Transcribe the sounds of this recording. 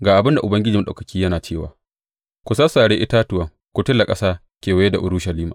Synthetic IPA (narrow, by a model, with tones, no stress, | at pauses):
ɡaː˨ʔa˨bɪ˦nda˨ʔʊ˨bɐ˦ŋɡʲɪ˦d͡ʒiː˨ma˦ɗɐ˨kɐ˨kʲiː˦jɐ˦naː˨t͡ʃeː˦˨wa̰ː˨ | kʷʊ˨sa˦saː˨ɽeː˦ʔɪ˦taː˦tʊ˨wɐ˨ŋ | kʷʊ˨tɪ˦lːa˨kʼɐ˦saː˦ | kʲeː˨wɐ˨je˦da˨ʔʊ˦ɾuː˦ʃɐ˨liː˦maː˨